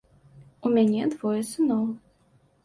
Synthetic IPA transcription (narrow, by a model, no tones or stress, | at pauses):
umʲanʲɛd̪vɔjɛsɨnɔvɨ